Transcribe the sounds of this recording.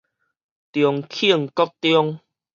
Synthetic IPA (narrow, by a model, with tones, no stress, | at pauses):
t̪jɔ˨˩ŋkʰi˦˧˨əŋkɔ˦k̚t̪jɔ˦ŋ